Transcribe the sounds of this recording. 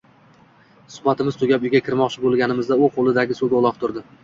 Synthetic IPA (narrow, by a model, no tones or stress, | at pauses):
sʊ̥bat̪ʰɪmɪzt̪ʰʊɡʲapʊjɡʲakʲʰɪɾmɒqt͡ʃʰɪbolˠɡʲanɪmɪzd̪aʊqʰolˠɪd̪aɡʲɪsod̪aʊlˠɒq̚t̪ʰʊɾd̪ɪ